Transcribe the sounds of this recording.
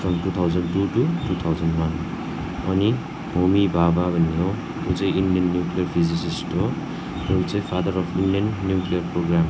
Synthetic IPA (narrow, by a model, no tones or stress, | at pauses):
pʰɾɔmtut̪ʰawzantututut̪ʰawzanwan | ɔ̰ni | bʱomibʱababʱʌniɔ | uzajindiʌnːjuklijaɾpʰizisistɔ | ɔt͡sejpʰad̪əɾɔpʰindiʌnːjuklijɔɾpɾɔɡɾam